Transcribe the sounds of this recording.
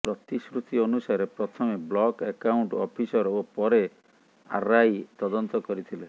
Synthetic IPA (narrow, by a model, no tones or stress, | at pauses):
pɾɔt̪iskɾut̪iɔnusaɾepɾɔt̪ʰɔmeblɔkekawɳʈɔpʰisɔɾopɔɾe | a̰ɾajt̪ɔd̪ɔnt̪ɔkɔɾit̪ʰile